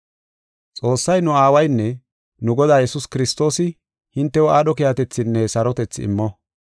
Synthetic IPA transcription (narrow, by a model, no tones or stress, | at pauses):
t͡sʼo̞ːsːɐjnʊaːwɐjnːɛ | nʊɡɔd̪aːjɛsʊskɪɾɪst̪o̞ːsɪ | hɪnt̪ːɛwɔaːɗɔkɪjat̪ɛt͡sːɪnːɛsɐɾɔt̪ɛt͡sːɪɪ̰mːɔ